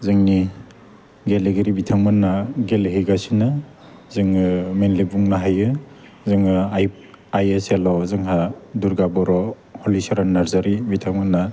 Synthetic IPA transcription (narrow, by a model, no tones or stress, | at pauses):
zɯŋni | ɡeleɡeɾibitʰaŋmɯnːaɡelɦeɡasina | zɯŋɯmenlibuŋnaɦajɯ | zɯŋɯj | ajeselɔzɯŋɦaduɾɡabɔɾɔ | holisaɾanːaɾzaɾibitʰaŋmɯnːa